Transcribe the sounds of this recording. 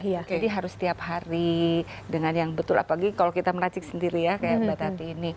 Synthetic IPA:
jad͡ʒadiɦaɾʊst̪iaphaɾi | dəŋanjaŋbət̪ʊla̰palaɡikalokit̪aməɾat͡ʃɪk̚səndiɾijakajabbat̪ɦat̪iːni

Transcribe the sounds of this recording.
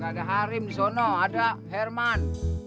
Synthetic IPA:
ɡadaɦaɾimdisɔnɔadaɦɛrman

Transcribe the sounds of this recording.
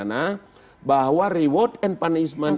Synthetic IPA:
na | baɦwariwɔt̪ɛnpanisman

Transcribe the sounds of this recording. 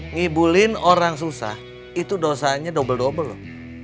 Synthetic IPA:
ŋibulɪnoɾaŋs̬usa̰h | it̪udosaɲadobəldobəlʊ

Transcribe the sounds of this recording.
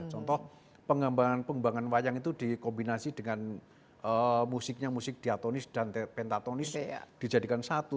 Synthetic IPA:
t͡ʃɔnt̪ɔh | pəŋambaŋanpəŋbaŋanwajaŋit̪udikɔmbinasid̥əŋan | əmusɪk̚ɲamusɪk̚d̥iat̪onɪsd̥anpɛnt̪at̪onɪsd̥id͡ʒadikansat̪u

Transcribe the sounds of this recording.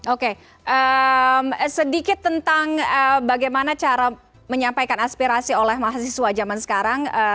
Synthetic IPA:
oke | ʔəmsədikɪt̪ːənt̪aŋəbaɡajmanat͡ʃaɾa | məɲampajkanaspiɾasiolɛhmaɦasisuad͡ʒamansə̥kaɾaŋə

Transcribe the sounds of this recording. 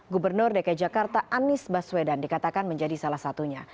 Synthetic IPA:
ɡubərnʊrdekad͡ʒakart̪aʔanɪsbaswedandikat̪akanməɲd͡ʒadisalahsat̪uɲa

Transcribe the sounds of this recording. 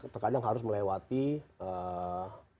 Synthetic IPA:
t̪ərkad͡ʒaŋɦaɾʊs̬məlewat̪iə

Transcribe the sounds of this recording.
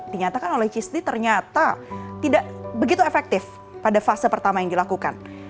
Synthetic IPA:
d̥iɲat̪akanolɛht͡ʃist̪it̪ərɲat̪at̪idaʔbəɡit̪uefɛk̚t̪ɪf | padafasəpərt̪amajaŋdilakukan

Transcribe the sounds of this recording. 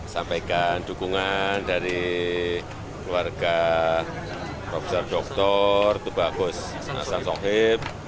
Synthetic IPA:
sampaikand̪̥ṳkuŋand̥a̤ɾi | kluwarɡ̥a | prɔfesɔrɖ̥ɔk̚t̪ɔrt̪əb̥aɡ̥ʊs | a̰sansɔɦɪp̚

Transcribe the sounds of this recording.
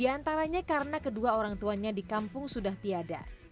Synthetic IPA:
diant̪aɾaɲakaɾənakəduaoɾaŋt̪uanɲadikampʊŋsudaht̪iada̰

